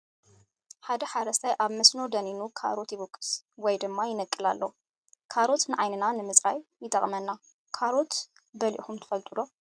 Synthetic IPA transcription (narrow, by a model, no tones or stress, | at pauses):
ħad̪ɐħaɾɐst̪ʰajʔaβmɐsno̞d̪ɐninukʰa̰ɾo̞t̪jɪβɨkʼːɨ̥swɔjd̪ɨmːajɪnɐkʼːɨla̰lːow | kʰaɾo̞t̪nɨʕajnɨnanɨmɨzʼɾajːɪt̪ʰʼɐχʼmɐnːa | kʰaɾo̞t̪ | bɐlḭʔxumt̪ʰɨ̥fɐlt̪ʼɨlo̞